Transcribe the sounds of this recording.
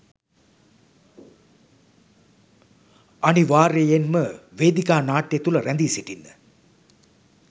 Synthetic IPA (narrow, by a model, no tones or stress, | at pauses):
aniʋaːɾejenməʋeːd̪ikaːnaːʈjet̪uləɾænd̪iːsiʈinːə